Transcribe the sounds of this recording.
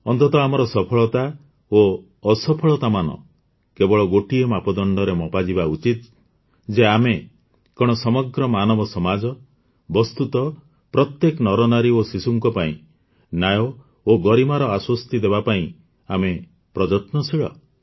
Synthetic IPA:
ɔnt̪ɔt̪ɔamɔɾɔsɔpʰɔɭɔt̪a | o | ɔsɔpʰɔɭɔt̪amanɔ̰ | kebɔɭɔɡoʈiemapɔd̪ɔɳɖɔɾemɔpad͡ʒibaut͡ʃit̪ | d͡ʒeame | kɔɽ̃ɔsɔmɔɡɾɔmanɔbɔsɔmad͡ʒɔ | bɔst̪ut̪ɔ | pɾɔt̪jekɔnɔɾɔnaɾiosisuŋkɔpaḭ̃ | najɔ | oɡɔɾimaɾɔaswɔst̪id̪ebapaĩ | ame | pɾɔd͡ʒɔt̪nɔsiɭɔ̰

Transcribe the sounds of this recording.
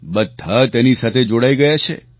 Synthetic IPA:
bəd̪ʱːat̪ɛnisat̪ʰed͡ʒoɽaiɡəjat͡ʃʰḛ

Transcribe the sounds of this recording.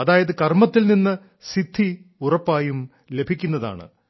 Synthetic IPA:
ɐðaːjɐðɨkɐrmɐt̪ːilninːɨ | sid̪ʱːiurɐpːaːjum | le̞bʱikʲːunːɐða̰ːɳɨ̰

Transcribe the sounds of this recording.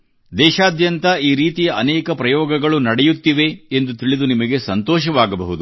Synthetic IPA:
d̪ɛːʃaːd̪jɐnt̪ɐiːɾiːt̪ijɐʔɐnɛːkɐpɾɐjɔːɡɐɡɐɭunɐɽɛjut̪ːiʋe̞ːnd̪ut̪iɭid̪unimɐɡe̞sɐnt̪ɔːʃɐʋaːɡɐbɐɦud̪u

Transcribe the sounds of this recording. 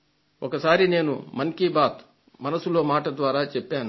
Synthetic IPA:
ɔkɐsaːɾine̞ːnṵmɐŋkiːbaːt̪ | mɐnɐsːuloːmaːʈɐd̪ʋaːɾaːt͡ʃɛpːaːnu

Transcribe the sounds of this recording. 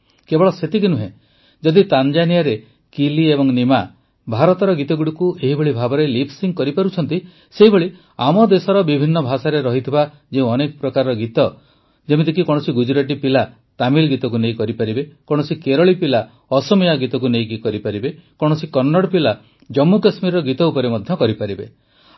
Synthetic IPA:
kebɔɭɔset̪ikinuɦḛ̃ | d͡ʒɔd̪it̪and͡ʒanijaɾe | kiliebɔŋnima | bʱaɾɔt̪ɔɾɔɡit̪ɔɡuɽikueɦibeɭibʱabɔɾejlipʰsiŋkɔɾipaɾut͡ʃʰɔnt̪i | seɦibeɭi | amɔd̪esɔɾɔbibʱinːɔbʱasaɾeɾɔɦit̪ʰiba | d͡ʒẽɔnekɔpɾɔkaɾɾɔɡit̪ɔ | d͡ʒemit̪ik̬ikɔɽ̃ɔsiɡud͡ʒɾaʈipila | t̪amilɡit̪ɔk̬unej̃kɔɾipaɾibekɔɽ̃ɔsikeɾɔɭipila | ɔsɔmijaɡit̪ɔk̬unej̃kikɔɾipaɾibekɔɽ̃ɔsikɔnːɔɽpila | d͡ʒɔmːukasmiɾɔɔɡit̪ɔupɔɾemɔd̪ʱjɔkɔɾipaɾibe

